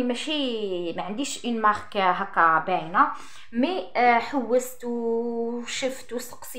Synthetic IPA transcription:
mæʃimæʕənd̪iʃʔinmɑʁkːæɦækːæbæjnæ | miħəwːəst̪w | ʃəft̪wsə̥qs

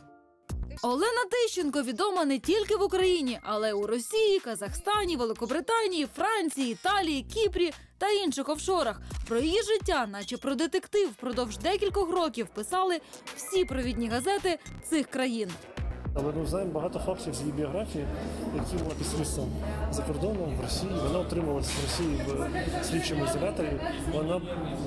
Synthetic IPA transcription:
ɔlˠɛnɐt̪ɪʃt͡ʃenkɔʋʲid̪ɔmɐnɛtʲilʲkɪʋukɾɐjinʲiʔɐlˠɛuɾɔsʲijikɐzɐxst̪ɑnʲiʋelˠɪkɔbɾɪt̪ɑnʲijifɾɑnʲt͡sʲijiːt̪ɑlʲijikʲipɾʲi | t̪ɐinʃɪxɔwʃɔɾɐxpɾɔjɔjiʒɪtʲːanɑt͡ʃɛpɾɔd̪et̪ekt̪ɪwpɾɔd̪ɔwʒd̪ɛkʲilʲkɔxrɔkʲiwpɪsɑlˠɪw̥sʲipɾɔʋʲidʲnʲiɦɐzɛt̪ɪt̪sɪxkɾɐjinɐlˠɛmɪwznɑjemɔbɐɦɑt̪ɔfɑkt̪ʲiwzʲjibʲiɔɦɾafʲijijɐkʲimapʲismʲist̪ɔmzɐkɔrd̪ɔnɔmʋrɔsʲijiʋɔnɑɔt̪ɾɪmɐʋlˠɐsʲɐʋɾɔsʲijiʋsʲɾʲixt͡ʃɪmʊɪzɐlʲat̪ɔɾʲi | ʋɔnɑ

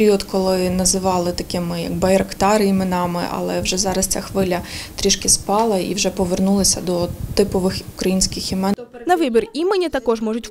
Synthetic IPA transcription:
ɾʲiɔd̪kɔlˠɪnɐzɪʋɑlˠɪt̪ɐkɪmɪjɐ̰ɡbɐɪɾɐkt̪ɑɾɪimenɑmɪ̰ʔɐ̰lˠɛwʒɛzɑɾɐst͡sʲaxʋɪlʲɐt̪ɾʲiʃkɪspɑlˠɐḭwʒɛpɔʋernulˠɪsʲɐd̪ɔt̪ɪpɔʋɪxukɾɐjinʲsʲkɪximɛ | nɐʋɪbʲirimenʲit̪ɐkɔʒmɔʒʊtʲ

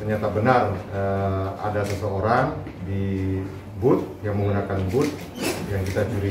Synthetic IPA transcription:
t̪ərɲat̪abənarəa̰dasəsəoɾaŋ | di | bʊt̪̚jaŋməŋɡunakanbʊt̪̚ | jaŋkit̪at͡ʃuɾi

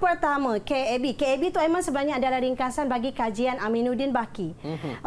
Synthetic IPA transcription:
pərt̪amãkeɛbikeɛbit̪uamãnsəbənarɲãːdalahɾiŋkasanbaɡikad͡ʒianamĩnũdinbaki

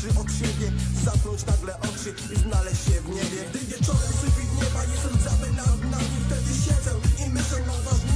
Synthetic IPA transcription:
ʐɛʔɔt̪ɕɛbʲjɛzakɾɔɲt͡ɕnaɡlɛʔɔkʂɘ | iznalɛɕɕɛvɲɛbʲjɛɡd̪ɪvʲjɛt͡ʂɔɾɛmʂupʲit̪ɲɛmajɛst̪ɛmzabɛt̪anaift̪ɛd̪ɘɕɛd̪zɛwimɘɕɛnɔva

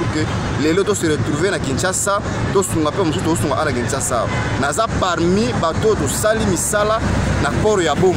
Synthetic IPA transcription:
ke | lelot̬oseʁetʁuvenakint͡ʃasa | tosuŋɡapeamosutuosuŋɡaʔanakint͡ʃasa̰nazapaʁmibatotosalimisalanakɔɾojabo

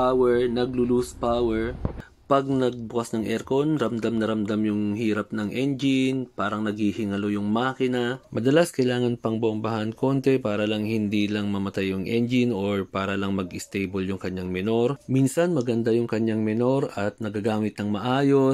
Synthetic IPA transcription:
pawɛɹnɐɡ̚lʊluspawɛɹ | pɐɡ̚nɐɡ̚bʊkasnɐŋʔɛɾkonɾɐmd̪amnɐɾɐmd̪amjʊŋhiːɾɐp̚nɐŋʔɛnd͡ʒɪnpaːɾɐŋnɐɡhihɪŋɐlo̞jʊŋmaːkɪnɐmɐd̪ɐlaskɐjlaːŋɐnpɐŋboʔombɐhɐnko̞nt̪ɛpaːɾɐlɐŋhɪnd̪iːlɐŋmɐmɐt̪ajːʊŋʔɛnd͡ʒɪnoɹpaːɾɐlɐŋmɐɡɪst̪ejboljʊŋkɐɲːaŋmɛno̞ɾminsɐnmɐɡɐnd̪ajʊŋkɐɲaŋmɛno̞ɾʔɐt̪̚nɐɡɐɡaːmɪt̪̚nɐŋmɐʔaːjo̞

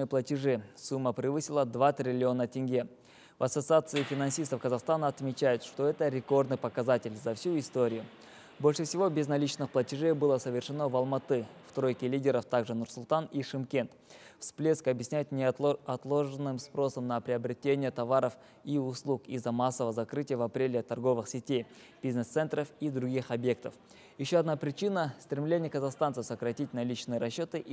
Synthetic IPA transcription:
ɨjəplˠətʲɪʐɨsumːəpɾʲɪvɨsʲɪlˠəd̪vat̪ɾʲɪlʲɪo̞nətʲɪnʲɡʲe | vɐsət̪sɨat̪sɨɪfʲɪnɐnsʲist̪əfkəzɐχst̪anəɐt̪mʲɪt͡ɕæjʊt̪ʂt̪o̞ɛt̪əɾʲɪko̞rd̪nɨjpəkɐzatʲɪlʲzɐfsʲuɪst̪o̞ɾʲɪjʊ | bolʲʂɨfsʲɪvo̞bʲɪznɐlʲit͡ɕnɨxplˠətʲɪʐejbɨlˠəsəvʲɪrʂɨno̞vɐlˠmɐt̪ɨft̪ɾo̞jkʲɪlʲidʲɪɾəft̪aɡʐɨnʊrsʊlˠt̪aniʂɨmkʲe̞nt̪fsplʲeskəɐbʲjɪsʲnʲæjt̪ʲnʲɪɐt̪lˠo̞ʐɨnːɨmspɾo̞səmnəpɾʲɪɐbɾʲɪtʲenʲɪjət̪ɐvaɾəf | iʊslˠukizːɐmasːəvəəzɐkɾɨtʲɪjəvɐpɾʲelʲɪt̪ɐrɡo̞vɨxsʲɪtʲej | b̥ʲiznəst̪ɛnt̪ɾəfid̪ɾʊɡʲixɐbje̞k̚t̪əf | jɪɕːoɐd̪napɾʲɪt͡ɕinəst̪ɾʲɪmlʲenʲɪjəkəzɐχst̪ant̪sɨfsəkɾɐtʲit̚ʲnɐlʲit͡ɕnɨjəɾɐɕːo̞t̪ɨʔ

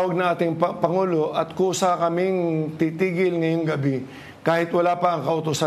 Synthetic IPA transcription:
wɐɡ̚nɐŋʔaːt̪ɪŋpɐpɐŋuːlo̞ʔɐt̪̚kʊʔʊsakɐmɪŋt̪it̪iːɡɪlŋɐjoŋɡɐbɪ | kaːhɪt̪wɐlaːpɐʔɐŋkɐʔʊt̪ʊsa

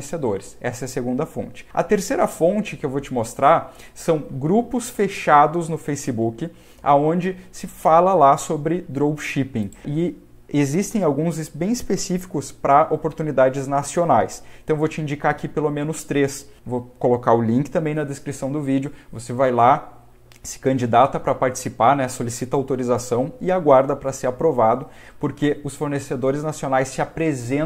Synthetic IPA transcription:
esed̪oɾɪsɛsɐɛɐseɡũnd̪ɐfõ̰nt͡ʃɪ̥ɐ̰t̪eɾsejɾɐfõnt͡ʃɪkɪewvot͡ʃɪmost̪ɾaɾ | sɐ̃w̃ɡɾupʊsfeʃad̪ʊznʊfejsɪbukɪ | a̰õnd͡ʒɪsɪfalɐlasobɾɪd̪ɾowbʃipĩɪ | ezist̪ẽj̃awɡũzɪsbẽj̃ɪspesifi̥kʊspɾɐʔopoɾt̪unid̪ad͡ʒɪznasionajst̪ɐ̃w̃vot͡ʃɪĩnd͡ʒikaakipelomẽnʊst̪ɾesvokolokaɾʊlĩkɪt̪ɐ̃mbẽj̃nɐd̪eskɾisɐ̃w̃d̪ʊvid͡ʒʊvosevajla | sɪ̥kɐ̃nd͡ʒid̪at̪ɐpɾɐpaɾt͡ʃɪ̥sipaɾnɛsolisit̪ɐawt̪oɾizasɐ̃w̃ɪaɡwaɾd̪ɐpɾɐseɾapɾovad̪ʊ | poɾkeʊsfoɾnesed̪oɾɪznasionajsːɪapɾezẽ

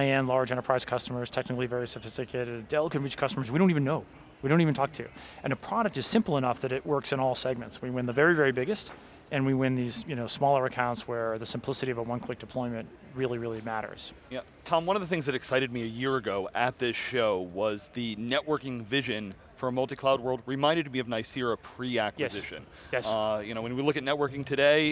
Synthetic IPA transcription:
ɨ̃nlɑɹd͡ʒɛ̃ɾ̃ə˞ɹ̥aɪz̥kʰʌstəmə˞z̥tʰɛk̚nɨkl̩ˠivɛɹisɨfɪstɨkʰeɪɾɨdɛlˠkɨ̃nɹit͡ʃkʰʌstəmə˞zwidõʊ̃ntivɨ̃nːoʊ | widõniṽntʰɔk̚tʰʉʔɨ̃nɨpʰɹ̥ɑɾɨk̚tɨz̥sɪ̃mpl̩ˠənʌfðɨɾɨʔ̚wɜ˞ksɨ̃ɾ̃ɔlˠsɛɡ̚mɨ̃ntswiwɪ̃nðɨvɛɹivɛɹibɪɡɨst | ʔɨ̃nwiwɪ̃nðiz̥jɨnoʊsmɔlˠə˞ɨkʰãʊ̃ntswə˞ðɨsɨ̃mpʰl̥ɪsɨɾiʌvəwʌ̃nkʰl̥ɪk̚d̥ɨpʰl̥ɔ̃ɪ̃mɨ̃nʔ | ɹɪlˠiɹɪlˠimæɾə̰˞z̥ | jæ | tʰɑ̃mwʌ̃nʌvðəɨθɪ̃ŋzðɨɾɨksaɪɾɨd̚miɨjɪɹɨɡoʊʔɨt̪̚ðɪsʃoʊwʌzðɨnɛʔ̚wɜ˞kɪ̃ŋvɪʒɨ̃n | fə˞mʌlˠtikʰl̥aʊd̚wɜ˞lˠd̚ɹɨmãɪ̃ndɨd̚miʌvnaɪsɪɹɨpʰɹ̥iækwjɨszɪʃɨ̰̃n | jɛsjɨnoʊwɨ̃nwilʊkɨtⁿnɛt̚wɜ˞kɪ̃ŋtʰɨdeɪ

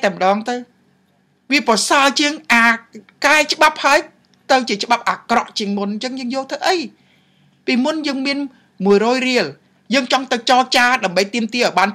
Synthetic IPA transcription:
aɛmə̆ɗɑːŋt̪ɨw | ʋiəprɑsaət͡ɕiəŋʔaːkaɛt͡ɕə̆ɓap̚haəj | t̪ɨwt͡ɕiət͡ɕə̆ɓap̚ʔaːkrɑʔt͡ɕiəŋmunɲt͡ɕəŋjəːŋjoːlt̪ʰəwʔəj | piːmunjəːŋmiən | muəjrɔːjriəl | jəːŋt͡ɕɑŋt̪ɨwt͡ɕɑːt͡ɕaːɗaəmɓəjt̪iəmt̪iəʔɔjɓaːn

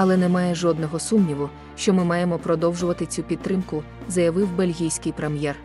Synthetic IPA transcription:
ɐlˠɛnɛmɑjɛʒɔd̪nɔɦɔsumnʲiʋʊ | ʃt͡ʃɔmɪmɑjemɔpɾɔd̪ɔwʒʊʋɐt̪ɪt͡sʲupʲid̪̚t̪ːɾɪmkʊ | zɐjɐʋɪwbelʲɦʲijsʲkɪjpɾemjɛr

